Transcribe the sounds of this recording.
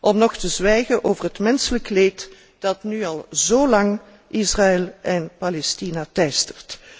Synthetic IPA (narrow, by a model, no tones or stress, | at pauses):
ʔɔmnɔxtəzʋɛjɣənʔoːvərɦətmɛnsələkleːt | d̥ɑtnyɑlˠzoːlɑŋ | ʔizraɛlˠʔɛnpalɛstinatɛjstərt